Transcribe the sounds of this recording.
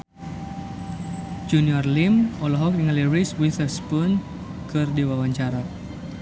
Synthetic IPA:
d͡ʒuniɔrlimɔlɔɦɔk̚diŋaliɾiswiθɛspun | kʰɨrdiwawaɲt͡ʃaɾa

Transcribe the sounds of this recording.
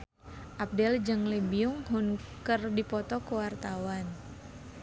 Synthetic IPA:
ʔap̚dɛld͡ʒɨŋlebiʊŋɦʊnkərdipɔt̪ɔkəwart̪awan

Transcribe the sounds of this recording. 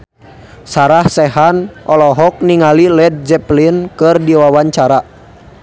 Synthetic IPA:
saɾahsɛɦanʔɔlɔɦɔk̚niŋalilɛd̚d͡ʒɛplinkɨrdiwawaɲt͡ʃaɾa

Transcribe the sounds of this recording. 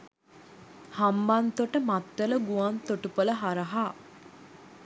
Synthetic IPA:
hambant̪oʈəmat̪ːələɡuant̪oʈupələɦaɾəɦaː

